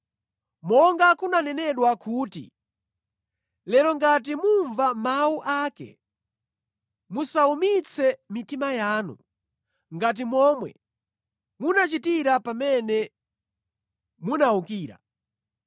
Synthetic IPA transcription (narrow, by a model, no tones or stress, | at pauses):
mɔŋɡakunanɛnɛɗwakʰuːtḭ | lɛɾɔŋɡat̬imuɱvamauʔaːkɛ̰ | musaumit͡sʰɛmitimajaːnṵ | ŋɡat̬imɔmwɛ̰ | munat͡ʃitiɾapamɛnɛ | munaukiːɾa̰